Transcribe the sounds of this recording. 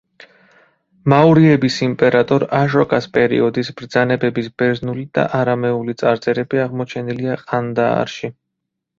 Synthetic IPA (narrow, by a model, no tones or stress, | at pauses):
mauɾiɛbisimpʼɛɾat̪ʼɔɾaʃɔkʼaspʼɛɾḭɔd̪isbɾd̪zanɛbɛbisbɛɾznulid̪̥a̰ʔaɾamɛulit̪sʼaɾt̪sʼɛɾɛbiaʁmɔt͡ʃʰɛniliaqʼand̪a̰ːɾʃi